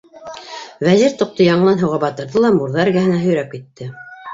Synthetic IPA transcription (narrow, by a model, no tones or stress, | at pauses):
væziɾt̪ŏq̚t̪ojɑɴɤlˠɑnɦɤ̆wʁɑbɑt̪ɤ̆ɾðɤlˠɑmuɾðɑæɾɡæɦɘ̆næɦɵ̆jɾæp̚kit̪ːɘ